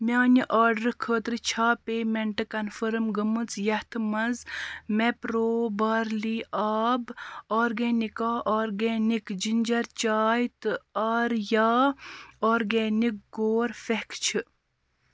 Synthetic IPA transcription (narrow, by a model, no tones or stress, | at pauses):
mʲaːniʔaːɾɖɐɾkʰəːt̪ɾɨt͡ʃʰaːpeːmeɳʈɨkɐnfɐɾmɡɨmɨt͡sjɐht̪ʰɨmɐzmepɾoːbaːɾliʔaːboːɾɡeːnikaːʔoːɾɡeːnikd͡ʒind͡ʒɐɾt͡ʃaːjt̪ɨɐːɾjaːoːɾɡeːnik̚ɡoːɾfehkt͡ʃʰi